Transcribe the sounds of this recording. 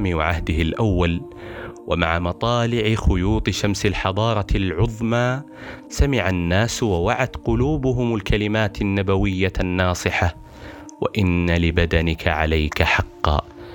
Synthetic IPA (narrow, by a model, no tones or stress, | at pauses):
miːwa̰ʕahd̪ɪhɪlʔawːal | wʔamaʕamɑt̪ˤɑːlɪʕɪxʊjuːt̪ˤɨʃamsɪlħɑðˤɑːɾˤɑlʕʊðˤmaː | samɪʕanːaːswawaʕat̪qʊluːbʊɦʊmalkalɪmaːt̪anːabawɪjːanːɑːsˤɨħa | waʔɪnːalɪbad̪anɪkʰaʕa̰lajkaħɑqːɑ̰ː